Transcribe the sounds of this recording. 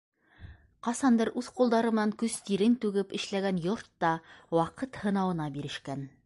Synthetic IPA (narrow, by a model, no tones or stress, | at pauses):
qɑsɑnd̪ɤɾʔʉθqulˠd̪ɑɾɤmɤ̆ɑŋkɵzt̪iɾɘnt̪ʉɡɘpɘ̆ʃlæɡænjoɾt̪ːɑwɑqɤt̪hɤ̆nɑwɤ̆nɑbiɾɘ̆ʃkæn